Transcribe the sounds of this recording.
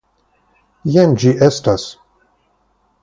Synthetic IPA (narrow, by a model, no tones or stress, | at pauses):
jɛnd͡ʒiʔɛstas